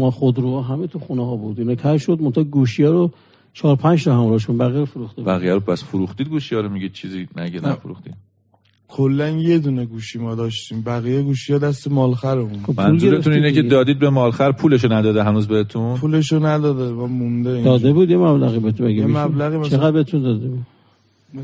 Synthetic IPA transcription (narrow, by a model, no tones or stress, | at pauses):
mɒχod̪ɾuɒɦæmet̪ʰuxuneɦɒːbud̪inɑkʰæɾʃod̪̚mot̪ʰɒɡuʃijɒːɾo | t͡ʃʰɒːɾpʰænd͡ʒt̪ʰɔhæmɾɒːhʃonbæɣijæɾofoɾuxt̪ebæɣijæɾopʰæsfoɾuxt̪iːd̪̚ɡuʃijɒːɾomiɡid̪̚t͡ʃʰiːzinæɟenæfoɾṵxt̪ḭd̪ | kʰolːænje̞d̪uːneɡuːʃimɒːd̪ɒːʃt̪iːmbæɣijeɡuːʃijɑd̪æst̪emɒːlxæɾomunopmʰæunːlzuɾet̪ʰuniːneked̪ɒːd̪iːd̪̚bemɒːlxæɾpʰuːleʃ̬onæd̪ɒːd̪eɦænuːzbehet̪ʰũnpʰuleʃonæd̪ɒːd̪emɒmund̪eid̪ɒːd̪ebuːd̪jemæblæɣiːbeet̪ʰumæɡæmæblæɣiːmæt͡ʃʰeæd̪̚beet̪ʰund̪ɒːd̪ebud̪